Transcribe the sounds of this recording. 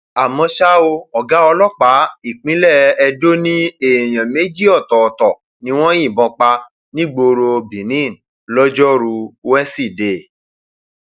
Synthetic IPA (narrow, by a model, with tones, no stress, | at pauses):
a˨mɔ̃˧ʃa˦o˧ɔ˨ɡa˨˦ɔ˧lɔ˦˨k͡pa˨˦i˨k͡pĩ˨˦lɛ˦˨ɛ˧do˦nĩ˦e˦˨j̃ã˨me˨˦d͡ʒi˦ɔ˦˨tɔ˨tɔ˨ | nĩ˧˦w̃ɔ̃˦jĩ˦˨bɔ̃˧k͡pa˧ | nĩ˦ɡ͡bo˧ɾo˧bĩ˨nĩ˦˨n˨ | lɔ˦d͡ʒɔ˦ɾu˧wɛ˦si˦˨de˨